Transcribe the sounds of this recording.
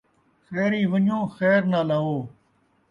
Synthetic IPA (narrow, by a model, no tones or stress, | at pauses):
xɛːɾiːʋəɲõːxɛːɾnaːlaːɦoː